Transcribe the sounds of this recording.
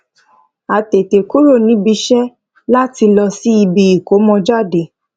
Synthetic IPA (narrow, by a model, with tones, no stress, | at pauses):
a˨te˨te˨ku˦ɾo˦˨nĩ˦bi˧ʃɛ˦ | la˦ti˧lɔ˧si˦i˧bi˧i˦˨ko˨˦mɔ̃˧d͡ʒa˦˨de˨